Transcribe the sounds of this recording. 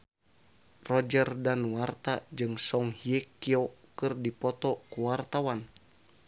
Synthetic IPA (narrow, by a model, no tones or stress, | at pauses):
rɔd͡ʒərdanwart̪ad͡ʒɨŋsɔŋhiɛkiɔkɨrdipɔt̪ɔkuwart̪awan